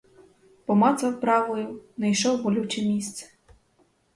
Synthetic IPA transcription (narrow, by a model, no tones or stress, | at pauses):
pɔmɑsɐwpɾɑʋɔjʊnɛjʃɔwbɔlʲut͡ʃɛmʲist̪sɛ̥